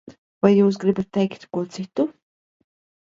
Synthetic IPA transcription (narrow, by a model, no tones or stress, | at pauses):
vajːuːs̬ɡɾibat̪ːɛjkt̪kuɔt̪sit̪u